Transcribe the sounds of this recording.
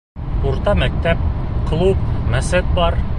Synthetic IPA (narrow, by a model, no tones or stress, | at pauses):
uɾt̪ɑmæk̚t̪æp̚qlˠup̚mæsæt̪̚bɑɾ